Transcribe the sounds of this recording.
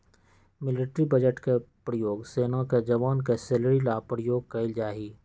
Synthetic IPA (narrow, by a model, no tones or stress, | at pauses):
mɪlɪʈɾibəd͡ʒəʈkepɾəjoːɡseːnaked͡ʒɐʋaːnkeseləɾilaːpɾjoːɡ̚kɐɪld͡ʒaːɦiː